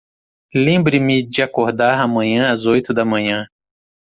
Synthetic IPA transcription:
lẽmbɾɪmɪd͡ʒɪakoɾd̪aɾamɐ̃ɲɐ̃ɐzojt̪ʊd̪ɐmɐ̃ɲɐ̃

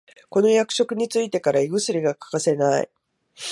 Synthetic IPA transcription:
ko̞no̞jakɯ̥ɕo̞kɯ̟ɲ̟it͡sɨit̪e̞kaɾaiɡɯ̟sɨɾʲiɡakḁkase̞naḭ

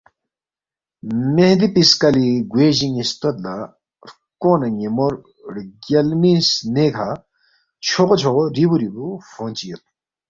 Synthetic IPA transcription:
mehd̪ipiskɐliɡweːʑiŋist̪ot̪la | ɾ | koːnɐɲemoɾ | ɽɡɐlmisnekʰa | t͡ɕʰoqot͡ɕʰoɣoɾibuɾibufoːnt͡ɕijɐt̪̚

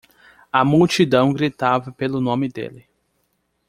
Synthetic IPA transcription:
ɐmuwt͡ʃid̪ɐ̃w̃ɡɾit̪avɐpelʊnõmɪd̪ḛlɪ

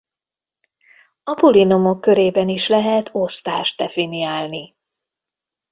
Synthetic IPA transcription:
ɒpulinomo̞kːø̞ɾeːbɛniʃlɛɦɛt̪ʰo̞st̪aːʃd̪ɛfinijaːlni

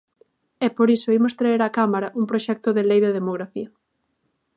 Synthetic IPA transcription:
ɛpoɾisoimost̪ɾaeɾakamaɾɐʔumpɾoʃɛk̚t̪ʊðelejðeðemoɣ̞ɾafiɐ

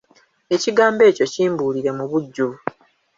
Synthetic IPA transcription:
e̞ciɡaːmbe̞ːco̞ciːmbuːliɾe̞muβuɟːu

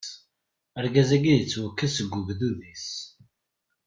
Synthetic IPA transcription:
əɾɡæzæɡiðət͡sːwəkːæsəɡːuɡðuðis

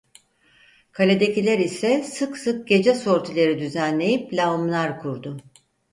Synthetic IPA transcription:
kʰalʲe̞d̪e̞cilʲæɾisɛsɯksɯk̚ɟ̥e̞d͡ʒɛsoɾt̪ʰilʲeɾid̪yzænlʲe̞jiplʲaumlˠaɾkʰuɾd̪ʊ

